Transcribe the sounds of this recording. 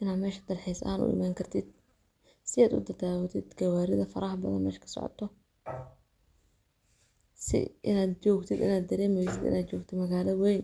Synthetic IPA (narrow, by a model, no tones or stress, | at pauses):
ʔɪnaːd̪mɛːʃɐ̥d̪ɐlħisɐ̰aːnʔʊ̰ʔɪ̰maːŋkʰɐrt̪ʰɪd̪̥̚ | sɪaːd̪ʊ̰d̪ɐd̪aːwɐt̪ʰɪd̪ɡɐwaːɾɪðɐfɐɾɐːɦbɐðɐ̰nmɛːʃkʰɐ̥sɔ̰ʕɔ̰t̪ʰɔ | sɪ̰ʔɪ̰naːd̪t͡ʃɔːɡt̪ʰɪd̪ɪ̰naːd̪ːɐɾɛːmɛjsɪd̪ɪ̰naːd̪t͡ʃɔːɡt̪ʰɪmɐɣaːlɐwɛjn